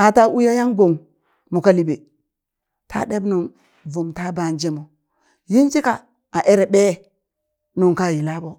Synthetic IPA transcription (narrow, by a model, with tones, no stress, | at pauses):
a˨ta˦u˦ja˦ja˦ŋɡo˨ŋ | mu˨ka˦li˨be˨ | tʰa̰˦ɗe˦bnu˨n | vu˨mta˦ba˨nd͡ʒe˦mo˨ | ji˦nd͡ʒi˦ka˨ | a˨ʔe˦ɾe˨ɓe˦ | nu˨ŋka˦˨ji˨la˦bo˦